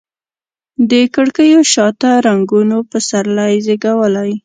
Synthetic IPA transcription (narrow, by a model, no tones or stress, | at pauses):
d̪əkəɽkəjoʃɑt̪aɾaŋɡunopəsaɾlajzeɡawəlaj